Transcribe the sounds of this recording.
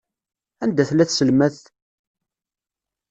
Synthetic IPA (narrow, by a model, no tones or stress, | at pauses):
ænd̪æθlæθsəlmæθ